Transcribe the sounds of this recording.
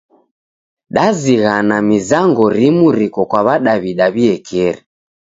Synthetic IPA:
ɗaziɣanamizaŋɡɔɾimuɾikɔkwaβaɗaβiɗaβiɛkʰɛɾi

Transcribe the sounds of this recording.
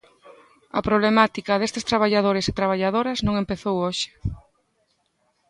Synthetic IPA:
ɐ̰pɾoβlemat̪ikɐðest̪eɪst̪ɾaβ̞aʎað̞oɾeset̪ɾaβ̞aʎaðoɾɐznõŋempeθowoʃɪ̥

